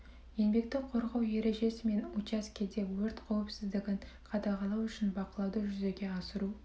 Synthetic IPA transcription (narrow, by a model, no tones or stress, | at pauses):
je̞nbe̞k̚t̪ɪkqʰo̞ɾʁɑwje̞ɾe̞ʒe̞sɪme̞nut͡ʃɑskʲʰed̪e̞wɵɾt̪qʰɑwɪpsɪzd̪ɪɡʲɪɴ | qʰɑt̪ɑʁɑlˠɑwʏʃɪnbɑqəlˠɑwd̪əʒʏze̞ɡʲe̞ɑsəɾu